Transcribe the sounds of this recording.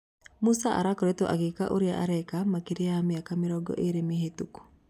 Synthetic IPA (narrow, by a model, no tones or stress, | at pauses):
musaʔa̰ɾakɔɾet̪oʔaɡikaʔoɾjaʔaɾɛkamakiɾiamiakamiɾɔɡɔ̰ʔeɾemiɦetuku̥